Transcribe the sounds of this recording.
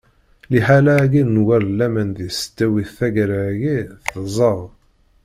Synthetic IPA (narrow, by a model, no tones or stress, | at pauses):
liħalæɡinnwæɾlːæmænðist̪ːæwiθθæɡɾaʝiθəzˤəʁ